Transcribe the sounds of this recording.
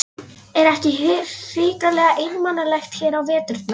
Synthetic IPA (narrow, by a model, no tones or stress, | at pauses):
ɛɾɛhcɪɦɪɾfɪːkalɛːɣaʔɪnmanːalɛjxt̪çɛːɾawvɛːt̪ʏɾ̥t̪na